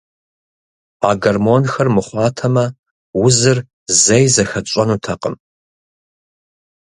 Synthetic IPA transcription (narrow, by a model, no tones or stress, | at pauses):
a̰ːɡɐrmoːnxɐrmɨχʷɑːtʰɐmɐ | wʊzɨr | zɐjzɐxɐt͡ʃʷʼɐnutʰɐqʼəm